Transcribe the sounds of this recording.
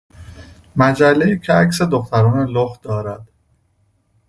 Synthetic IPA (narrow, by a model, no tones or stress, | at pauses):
mæd͡ʒælːejiːcʰeæcsed̪oxt̪ʰæɾɒːneloxd̪ɒːɾæd̪̥